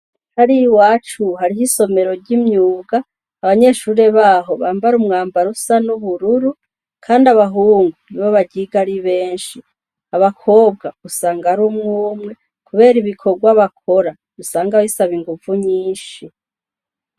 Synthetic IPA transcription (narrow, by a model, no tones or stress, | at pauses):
haɾiwaːt͡ʃuhaɾihiso̞me̞ɾo̞ɾɟimɲuːɡaː | βaɲe̞ʃuːɾe̞βaːɦo̞βaːmbaɾumŋaːmbaɾusanuβuɾuɾu | kʰaːndaβaɦuːŋɡuniβoβaɟiɡaɾiβe̞ːnʃi | aβakʰo̞ːb̚ɡausaːŋɡaɾumŋuːmŋe̞ | kuβe̞ːɾiβikʰo̞ɡwaβak̚ʰo̞ɾa | usaːŋɡaisaβiŋɡuvuɲiːnʃi